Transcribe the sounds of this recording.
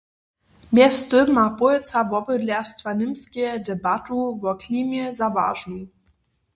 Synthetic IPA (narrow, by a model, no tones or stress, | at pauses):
mɛstømapʊlt͡savɔbədlɛɐstvanɪmskʲɛdɛbatuvɔkliːmjɛzava̰ːʒnuŋ